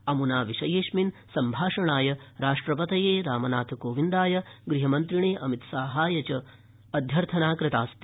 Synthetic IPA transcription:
ɐmunaːʋiʂɐjeːʂminsɐmbʱaːʂɐɳaːjɐɾaːʂʈɾɐpɐt̪ɐjeːɾaːmɐnaːt̪ʰkoːʋind̪aːjɐɡɾiɦɐmɐnt̪ɾiɳeːʔɐmit̪saːɦaːjɐt͡ʃɐ | ɐd̪ʱjɐɾt̪ʰɐnaːkɾɪt̪aːst̪i

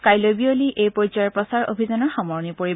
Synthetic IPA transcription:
kajlobioliʔejpɔzɔjɔɹpɔsaɹo̰bʱizanɔɹxɔmɔɹɔnipoɹi

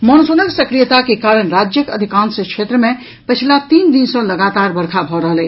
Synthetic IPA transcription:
məñusonəɡsəkɾijət̪akekaːɾəɳɾad͡ʒjəkə̰d̪ʱikãːnsəkʃʰet̪ɾəmẽ | pət͡ʃʰilat̪iːnd̪insɔ̃ləɡat̪aɾbəɾkʰabʱɔɾəɦəlɛ

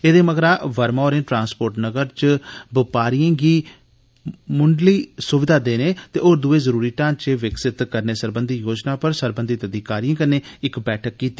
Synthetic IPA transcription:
eːd̪eːməɡɾaːʋəɾmaːoːɾẽːʈɾãːnspoːɾʈnəɡəɾt͡ʃbɪpaːɾijãːɡiː | mʊɳɖliːsʊʋɪd̪ʱaːd̪eːnẽːt̪eːʔoːɾd̪ʊeːzəɾuːɾiːʈãːnt͡ʃeʋɪksɪt̪kəɾneːsəɾbənd̪iːjoːd͡ʒnaːpəɾsəɾbənd̪ʱit̪əd̪iːkaːɾijãːkəneːɪkbɛːʈʰəkːiːt̪ːiː

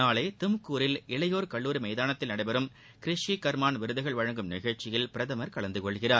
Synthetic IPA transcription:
naːlɐɪt̪ɪmkːuːɾɪlɪɭɐjoːɾkɐɭːuːɾimɐɪðaːnɐt̪ːɪlnɐɽɐɪbɐɾɯm | kɪɾɪʂikɐɾmaːnʋɪɾɯðɐɣɐɭʋɐɻɐŋɡɯmnɪɣɐɭt͡ʃːɪjɪlpɪɾɐðɐmɐɾkɐɭɐnd̪ɯkɔɭɣɪraːɾ

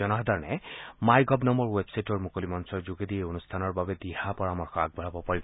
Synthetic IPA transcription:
ɔnɔɦd̪aɹnɛmajɡʱɔbnɔmɔɹwebsajtɔɹmukolimɔnsɔɹzuɡed̪ieonust̪ʰanɔɹbabɛd̪iɦapɔɹamɔɹxɔaɡ̚bʱɔɹabɔpaɹib

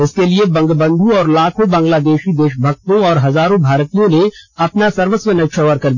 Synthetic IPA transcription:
ɪskeliebɐ̃ŋɡbə̃nd̪ʱũɔːɾlaːkʰõbɐ̃ːŋɡlaːd̪eːʃid̪eːʃbʱɐɡ̚t̪õɔːɾɦɐzaːɾõbʱaːɾt̪ijõneɐpnasɐɾʋəsʋənəʃʰəʋəɾkɐɾd̪iː

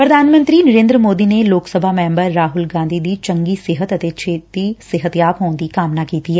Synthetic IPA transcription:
pɾəd̪ʱaːnmə̃nt̪ɾiːnəɾẽːnd̪ɾəmoːd̪iːneːloːksəbʱaːmɛ̃ːmbəɾːaːɦʊlɡãːnd̪ʱiːd̪iːt͡ʃəŋɡiːsɪɦət̪ət̪eːt͡ʃʰeːt̪iːsɪɦət̪jaːpɦoːnd̪iːkaːmnaːkiːt̪iːɦɛː

